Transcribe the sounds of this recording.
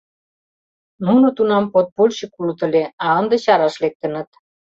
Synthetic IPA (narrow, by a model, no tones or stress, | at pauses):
nunut̪unɑmpot̪̚polʲɕikulut̪ə̆leɑənd̪ĕt͡ɕɑɾɑʃlek̚t̪ə̆nə̆t̪